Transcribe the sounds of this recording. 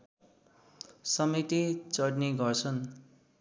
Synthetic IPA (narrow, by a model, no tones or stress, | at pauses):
sʌmit̪it͡sʌɽneɡʌrt͡sʰʌn